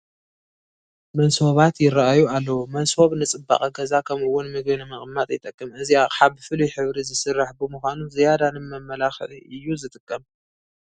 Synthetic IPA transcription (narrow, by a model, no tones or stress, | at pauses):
mɐnso̞βat̪jɪɾaʔajualːɐwumɐnso̞βnɨt͡sʼɨbːa̰χʼɐɡɐzakʰɐmʔɨwːʊnmɨɡbɨnɨmɐχʼmːat̪ʼjt̪ʼɐkʼːɨmʔɨziaħaβɨfɨlujħɨβɾizɨsɨrːaħbɨmuxʷanuzɨjad̪anɨmɐmːɐlaxʕʔɨjːuzɨt̪ʼɨkʼːɐm